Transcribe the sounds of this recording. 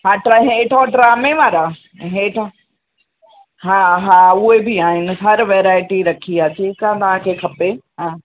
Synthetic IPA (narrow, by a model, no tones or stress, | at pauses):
ɦãːɖɾaɦeːʈʰaɖɾaːmẽʋaːɾa | ɦẽːʈʰã | ɦãːɦãːʊɦebɪaːɦɪnɪ̆ɦɐɾʋeːɾaːɪʈiɾɐkʰiaːt͡ɕeːkãːt̪ɐʋ̤ãkʰeːkʰɐpeɦãː